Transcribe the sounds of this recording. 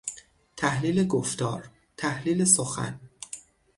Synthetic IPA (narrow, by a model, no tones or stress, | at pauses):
t̪ʰæhliːle̞ɡoft̪ɒ̰ːɾ | t̪ʰæhliːle̞soxæ̰n